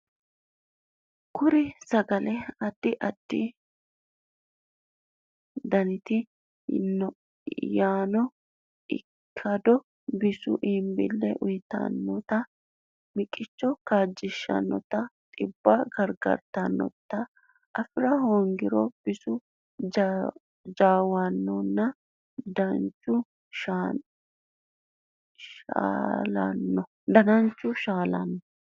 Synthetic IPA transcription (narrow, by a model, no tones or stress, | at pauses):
kʊɾɪsɐɡɐlɛɐd̪̥ːɪʔɐd̪̥ːɪ | d̪ɐnɪt̪ɪ | nɔ | jaːnɔ | ɪ̰ | kʰːɐd̪ɔ | bɪsʊʔiːmbɪ̰lːɛʔʊjt̪ɐ̰nːɔt̪ɐ | mɪkʼːɪt͡ʃːɔkaːd͡ʒːɪʃːɐ̰nːɔt̪ɐt̪ʼɪbːɐɡɐɾɡɐ̰ɾt̪ɐnːɔ̰t̪ːɐ | ʔɐfɪɾɐhoːŋɡɪɾɔb̥ɪsʊ | d͡ʒaːwɐnːɔnːɐ | d̪ɐnt͡ʃːʊ | ʃa | ʃa̰ːlɐ̰nːɔ | d̪ɐnɐnt͡ʃːʊʃaːlɐnːɔ